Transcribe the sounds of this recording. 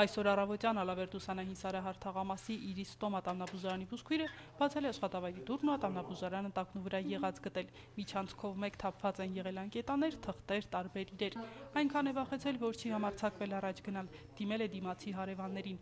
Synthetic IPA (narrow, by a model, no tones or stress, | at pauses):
ɑjsɔɾɑrɑvɔt̪jɑnɑlɑvɛɾd̪usɑnɑɦinsɑɾɑɦɑɾt̪ʰɑʁɑmɑsiʔiɾist̪ɔmɑt̪ɑmnɑbuʒɑɾɑnibuʃkʰujɾəb̥ɑt͡sʰɛlɛɑʃχɑt̪ɑvɑjɾid̪urnuɑt̪ɑmnɑbuʒɑɾɑnət̪ɑknuvəɾɑjɛʁɑt͡sɡət̪ɛl | mit͡ʃʰɑnt͡sʰkʰɔvmɛkt̪ʰɑpʰv̥ɑt͡sɛnjɛʁɛlɑnkɛt̪ɑnɛɾt̪ʰəχt̪ɛɾt̪ɑɾbɛɾiɾɛɾɑjŋkʰɑnɛvɑχɛt͡sʰɛlvɔɾt͡ʃʰihɑmɑɾt͡sʰɑkvɛlɑrɑt͡ʃʰɡənɑl | d̪̥imɛlɛd̪imɑt͡sʰiɦɑɾɛvɑnːɛɾin